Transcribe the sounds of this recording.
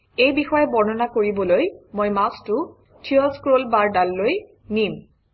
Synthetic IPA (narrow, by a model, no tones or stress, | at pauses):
ejbixɔjɛbɔɹnɔnakoɹibɔlojmojmastʊ | tʰiɔskɹolbaɹdalːoj | nim